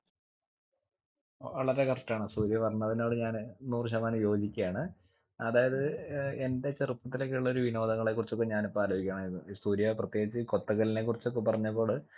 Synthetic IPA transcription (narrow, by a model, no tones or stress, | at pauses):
ʋɐɭɐɾekɐrʈːaːɳɨsuːɾjɐʋɐrɐnːɐðino̞ːɽɨɲaːnnuːrɕɐmaːnujo̞ːd͡ʑikʲːɐjaːɳɨ | ɐðaːjɐðɨe̞nde̞t͡ɕerɨpːɐt̪ːilekːeɭːɐo̞ɾuʋino̞ːd̪ɐŋːɐɭe̞kːurit͡ɕːok̬ːe̞ɲaːnipːoaːloːbikʲːaːɳɐminːusuːɾjɐʋeprɐt̪ːjeːɡit͡ɕːɨko̞t̪ːɐɣɐline̞kːurit͡ɕːopːɐpɐrɐɲːɐp̬ːo̞ːɭ